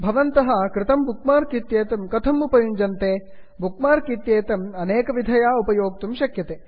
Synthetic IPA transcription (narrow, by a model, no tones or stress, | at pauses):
bʱɐʋɐnt̪ɐɦɐ̆kɾɪt̪ɐmbukmaːɾkit̪jeːt̪ɐmkɐt̪ʰɐmupɐjuɲd͡ʒɐnt̪eː | bʱukmaːɾkit̪jeːt̪ɐmɐneːkɐʋid̪ʱɐjaːupɐjoːk̚t̪umʃɐkjɐt̪eː